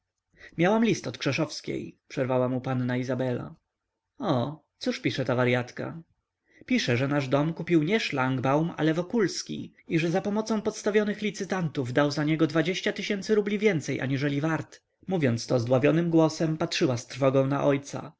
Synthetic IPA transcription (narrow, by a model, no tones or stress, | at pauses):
mʲjawamlʲist̪ɔt̪kʂɛʂɔfskʲḛjpʂɛɾvawamupanːaizabɛla̰ | ɔ | t̪suʂpʲiʂɛt̪avaɾjat̪ka̰ | pʲiʂɛʐɛnaʐd̪ɔmkupʲiwɲɛʂlaŋɡbawma̰lɛvɔkulskʲḭ | iʐɛzapɔmɔt̪sɔ̃w̃pɔt̪st̪avʲjɔnɘxlʲit̪sɘt̪ant̪uvd̪awzaɲɛɡɔd̪vad͡ʑeɕt͡ɕat̪ɘɕɛnt̪sɘɾublʲivʲjɛnt̪sɛjʔa̰ɲiʐɛlʲivaɾt̪ | muvʲjɔnt̪st̪ɔzd̪wavjɔnɘmɡwɔsɛmpatʂɘwast̪ɾfɔɡɔ̃w̃na̰ʔɔjt̪sa̰